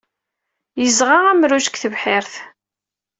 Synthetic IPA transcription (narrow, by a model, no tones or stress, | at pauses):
jəzʁaʁæmɾuʃə̥kθəvħɪɾθ